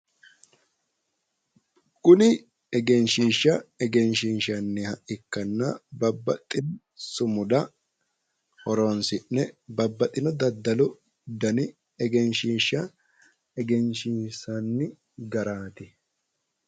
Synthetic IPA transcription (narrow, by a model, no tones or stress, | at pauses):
kʼʊnɪ | ɛɡɛnʃiːʃːɐɛɡɛnʃɪnʃɐnːɪhɐʔɪkːɐnːɐbɐbːɐt̪ʼːɪn | sʊmʊd̪ɐ | hɔɾoːnsɪʔːɛbɐbːɐt̪ʼːɪnɔd̪ɐd̪ːɐlɔ | d̪ɐnɪ | ɛɡɛnʃiːʃːɐ | ɛɡɛnʃiːsɐnːɪ | ɡɐɾaːt̪ɪ